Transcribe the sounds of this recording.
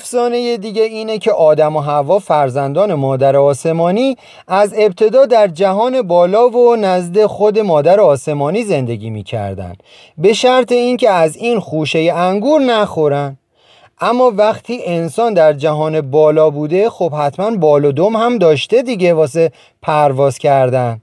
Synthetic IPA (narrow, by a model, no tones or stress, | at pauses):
fsɒːne̞jed̪iːɟeiːnecʰe̞ʔɒːd̪æmoɦævɒːfæɾzænd̪ɒːne̞mɒːd̪æɾeɒːse̞mɒːniː | æze̞b̚t̪ʰe̞d̪ɒːd̪æɾd͡ʒæɦɒːne̞bɒːlɒːvonæzd̪e̞xo̞d̪e̞mɒːd̪æɾeɒːse̞mɒːniːze̞nd̪e̞ɟiːmḭːcʰæ̰ɾd̪æ̰nd̪̥ | be̞ʃæɾt̪ʰe̞iŋcʰe̞æziːnxuːʃe̞jeæŋɡuːɾnæxoɾænd | ʔæmːɒːvæχt̪ʰiːʔe̞nsɒːnd̪æɾd͡ʒæɦɒːne̞bɒːlɒːbuːd̪e̞xob̥hæt̪ʰmænbɒːlod̪omhæmd̪ɒːʃt̪e̞d̪iːɟe̞vɒːs̬e̞ | pʰæɾvɒːzcʰæɾd̪æn